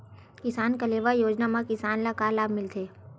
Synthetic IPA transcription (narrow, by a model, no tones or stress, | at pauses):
kɪsaːnkəleːʋajoːd͡ʒnamãkɪsaːnlakaːlaːbmɪlt̪ʰeː